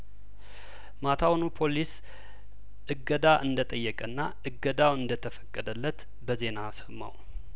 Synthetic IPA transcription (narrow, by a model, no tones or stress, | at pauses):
mat̪ʰawnupʰo̞lis | ʔɨɡəd̪aʔɨnd̪ət̪ʼəjːɛkʼənːa | ɨɡːəd̪awɨnd̪ət̪ʰəfə̥kʼːəd̪əlːət̪ | bəze̞nasə̥mːa̰w